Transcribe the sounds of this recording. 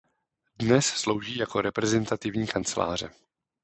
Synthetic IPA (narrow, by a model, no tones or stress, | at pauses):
dnɛsslowʒiːjako̞ɾɛpɾɛzɛnt̪at̪ɪvɲiːkant͡sɛla̰ːr̝ɛ